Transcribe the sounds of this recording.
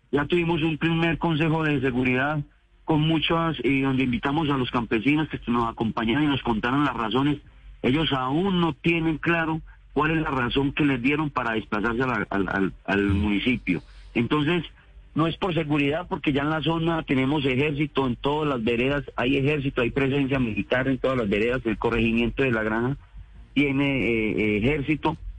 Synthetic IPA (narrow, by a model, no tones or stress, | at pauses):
d͡ʒat̪uβimo̞s̬umpɾime̞ɾko̞ns̬e̞xo̞ðe̞s̬e̞ɣuɾiðað | ko̞nmut͡ʃaseðo̞nd̪e̞imbit̪amo̞s̬alo̞skampe̞sino̞skenosako̞mpaɲaɾonino̞sko̞nt̪aɾonlasras̬o̞ne̞se̞ʝo̞saunːo̞t̪je̞ne̞ŋklaɾo̞ | kwale̞zlaraso̞ŋke̞le̞zd̪je̞ɾo̞mpaɾaðesplasaɾs̬eaaa̰a̰almunisipjoent̪o̞ns̬e̞s | no̞e̞spo̞ɾs̬e̞ɣuɾiðaðpo̞ɾke̞ʝaenlas̬o̞nat̪e̞ne̞mo̞s̬e̞xe̞ɾs̬it̪oent̪o̞ðozlazbe̞ɾe̞ðasaje̞xe̞ɾs̬it̪oajpɾe̞s̬e̞ns̬jamilit̪aɾent̪o̞ðalazbe̞ɾe̞ðaselko̞re̞ximje̞nt̪o̞ðe̞laɣɾana | t̪je̞ne̞ | xe̞ɾsit̪o̞